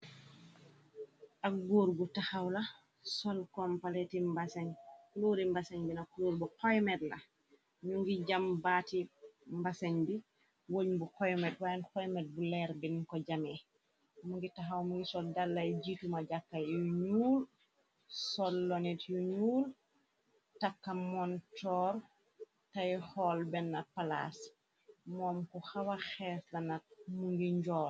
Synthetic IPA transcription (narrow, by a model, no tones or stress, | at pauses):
ʔaɡoɾɡutahawla | sɔlkɔmpaletimbasaɲkuloɾimbasaɲbinakuloɾbukɔjmɛdla | muŋɡid͡ʒambatimbasaɲbi | woɲbukɔjmɛt̚waankɔjmɛd̚bulɛɾbinkɔd͡ʒamɛ | muŋɡitaɦawmuŋɡisɔldalːajɟitumaɟakːajjuɲuːl | sɔlːɔnɛtjuɲuːl | takːamɔntɔɾ | tajxɔlbɛnːapala̰s | mɔːmkuxawaxɛslɐnɐt̚muŋɡiɲɟɔːl